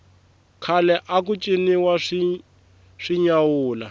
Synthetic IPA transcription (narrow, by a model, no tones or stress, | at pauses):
kʰalɛʔak̬ut͡ʃʼiniwaʂi | ʂiɲawuːla̰